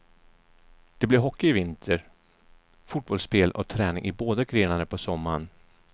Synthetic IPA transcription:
d̪̥ɛblɪɾɦɔkːɪɪvɪnt̪ʰəɾ | fʊʈ̪̚bɔlspeːlɔ̰t̪ʰɾɛːnɪ̰ŋʔɪboːd̪aɡɾeːnaɾəpʰɔsɔmːaɳ

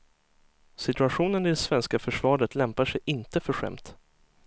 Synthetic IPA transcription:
sɪt̪ɵaɧuːnənɪd̪ɛsvɛnskafœʂvɑːɖət̪lɛmpaʂɛjʔɪnt̪əfœɧɛ̰mt̪

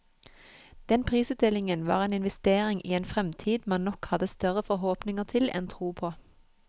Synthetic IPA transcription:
d̪̥ɛnpʰʁiːsʉːt̪̚d̪ɛlɪŋənʋɑ̰ːʁeːnɪnʋɛst̪eːʁɪŋʔḭːeːnfʁɛmt̪ʰiːd̪mɑnnɔkhɑd̪əst̪œʁəfɔʁɦoːpnɪŋəʁt̪ʰɪlɛ̰nt̪ʰʁuːpʰoː

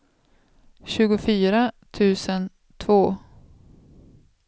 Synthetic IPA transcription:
ɕʉ̟ːɡʊfyːɾat̪ʰʉ̟ːsən | t̪ʰvoː

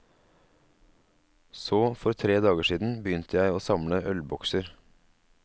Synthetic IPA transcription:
soːfɔɾt̪ʰɾeːd̪ɑːɡəʃiːd̪n̩bəjʏnt̪ʰəjæɪoːsɑmləʔœlbɔksəɾ

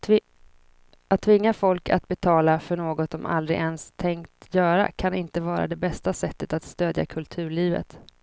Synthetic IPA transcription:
at̪ʰːvɪŋːafɔlka̰t̪̚bɛt̪ʰɑːlafœɳoːɡɔt̪sɔmʔa̰ld̪ɾɪ̰ʔɛnst̪ʰɛŋkt̪jœːɾa̰kʰanɪnt̪əvɑːɾa̰d̪ɛbɛst̪asɛt̪ːət̪at̪st̪øːd̪ja̰kʰɵlt̪ʰʉ̟ːɭiːvə̰t̪

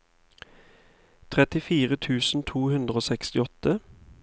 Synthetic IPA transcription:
t̪ʰʁɛt̪ɪfiːʁət̪ʰʉːsn̩t̪ʰuːhʉnd̪ʁəoːsɛkst̪ɪɔt̪ə

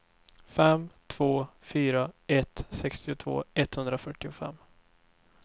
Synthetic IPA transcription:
fɛmt̪ʰv̥oːfyːɾaɛt̪sɛkst̪ɪʊt̪ʰv̥o̰ːɛt̪hɵnd̪ɾafœʈːɪʊfɛ̰mː

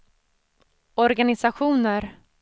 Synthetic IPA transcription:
ɔɾɡanɪsaɧuːnəɾ

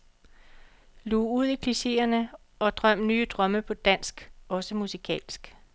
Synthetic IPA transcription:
luːuð̞̰ˠikʰliɕe̝̰ːɐnə | ɒ̽d̥ʁɶm̰nyːəd̥ʁɶməpʰɒ̽d̥æn̰sɡ̥ɒ̽səmusikʰɛ̰ːlsɡ̥

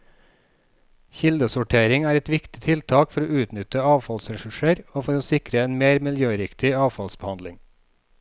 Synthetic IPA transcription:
çɪld̪əsʊʈʰeːɾɪŋæːɾɛt̪ʋɪkt̪ɪt̪ʰɪlt̪ʰɑːkfɔɾoːʉːt̪nʏt̪əɑːʋfɑlsɾɛʃʉʃəɾoːfɔɾoːsɪkɾəeːnmeːɾmɪljøːɾɪkt̪ɪɑːʋfɑlsbəhɑnd̪lɪŋ

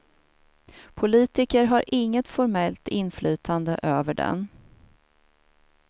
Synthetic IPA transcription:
pʰʊliːt̪ɪkəɾɦaɾʔɪŋːət̪fɔɾmɛlt̪ɪnflyːt̪ʰand̪əʔøːvəɖɛ̰n

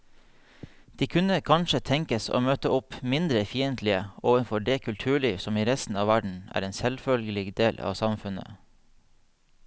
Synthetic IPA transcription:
d̪̥iːkʰʉnəkʰɑnʃət̪ʰɛŋkəso̰ːmøːt̪əʔʊpmɪnd̪ɾəfiːənt̪ʰlɪəoːʋənfɔɖeːkʰʉlt̪ʰʉːɭiːʋsɔmiːɾɛst̪n̩ɑːʋæɖɳ̩æ̰ːɾeːnsɛlfœlɡəlɪɡd̪eːlʔɑ̰ːʋsɑmfʉnə̰

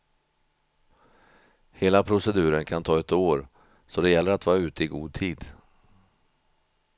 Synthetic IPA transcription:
heːlapʰɾʊsɛd̪ʉ̟ːɾənkʰant̪ʰɑːɛt̪oːɾ | sɔd̪ɛjɛlːəɾat̪vɑːɾaʉ̟ːt̪əɪɡuːd̪̚t̪ʰiːd̪

